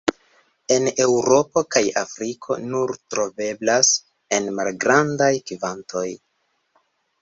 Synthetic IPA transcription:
e̞ne̞wɾo̞po̞kajafɾikʰo̞̰nuɾtɾo̞ve̞blas | e̞nmalɡɾandajkivantʰo̞j

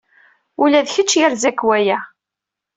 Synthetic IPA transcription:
ulæðçət͡ʃːjəɾzækːwæjæ

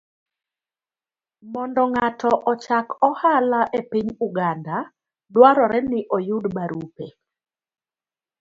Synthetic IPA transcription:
mɔndɔŋatɔʔɔt͡ʃakɔhalaʔepiɲuɡanda | dwaɾɔɾɛnɪʔɔjudbaɾʔupe

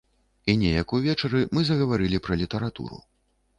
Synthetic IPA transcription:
inʲɛjɐkuvʲɛt͡ʂɐɾɨmɨzɐɣɐvaɾɨlʲipɾɐlʲit̪ɐɾat̪ṵɾṵ

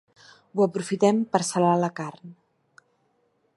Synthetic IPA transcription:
uəpɾufit̪ɛmpəɾsəlaləkarn

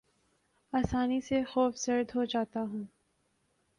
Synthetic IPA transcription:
aːsaːnisexoːfsɐɾd̪ɦod͡ʒaːt̪aɦũː

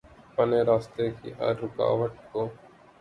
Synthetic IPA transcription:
pəneːɾaːst̪ekḭʔa̰ɾːʊka̰ːʋəʈ̚koː

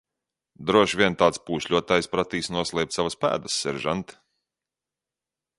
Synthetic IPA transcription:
d̪ɾuɔʃvʲiɛnt̪aːt̪spuːʃʎʲuɔt̪aːjspɾat̪iːsnuɔslˠɛjp̪̚savaspæ̰ːd̪əsːɛɾʒa̰nt̪

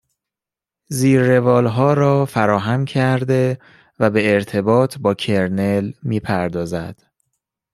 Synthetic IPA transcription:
ziːɾːe̞vɒːlɦɒːɾɒːfæɾɒːɦæmcʰæɾd̪e̞ | væbe̞ːɾt̪ʰe̞bɒːt̪ʰbɒːcʰeɾnelmiːpʰæɾd̪ɒːzæ̰d̪̥

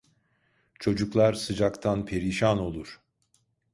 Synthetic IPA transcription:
t͡ʃʰo̞d͡ʒuklˠaɾsɯd͡ʒakt̪ʰanpʰe̞ɾiʃano̞lˠuɾ̥

